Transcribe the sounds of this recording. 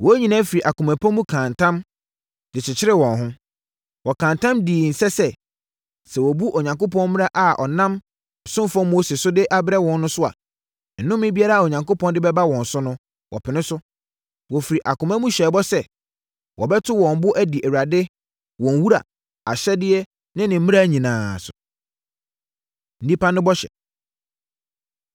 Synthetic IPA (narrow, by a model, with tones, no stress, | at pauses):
wɔ˨˦ɲĩ˨nã˦fi˨ɾi˨ʔa˨kʊ̃˨mæ˨pʰã˦mũ˦kʰã˨ntʰã˦m | dɪ˨t͡ɕʰɪ˨t͡ɕʰɪ˦ɾɪ˦wɔ̃˨nɦʊ̃˦ | wɔ˨kʰã˨ntʰã˦mdiː˨n̩˨sɛ˦sɛ˦ | sɛ˨wɔ˨bu˦ʔo˨ɲã˨ŋko˦pɔ̃˦nmɪ̃˦a˦ʔa˨ʔɔ̰˨nã˦m˨ | sʊ̃˦m˦fɔ̃˦mo˦se˨sʊ˦dɪ˦ʔa˦bɾɛ˦wɔ̃˦nː˦ʊ̃˦sʊ˦a̰˨ | n̩˨nʊ̃˦mːɪ̃˦bi˦a˦ɾa˦a˨o˨ɲã˨ŋko˦pʰɔ̃˦n˦dɪ˦bɛ˦ba˦wɔ̃˨n̩˨sʊ˦nʊ̃˦ | wʔɔ̰˨pʰɪ˨nɪ̃˦sʊ˦ | wɔ˨fi˨ɾi˨ʔa˨kʊ̃˨mã˦mũ˦ɕᶣɛː˨˦bɔ˦sɛ˦ | wʔɔ̰˨bɛ˦tʰʊ˦wɔ̃˨mbʊ˦ʔæ˦di˨ʔæ˨wu˨ɾa˨dɪ˦ | wɔ̃˨n˦wu˦ɾa̰˨ | a˨ɕɛ˦dɪ˦ɛ˦ | nɪ̃˦nɪ̃˨˦mĩ˦a˦ɲĩ˨nãː˨sʊ˨ | n̩˨˦dĩ˦pa˦nʊ̃˦bɔ˦ɕɛ̰˨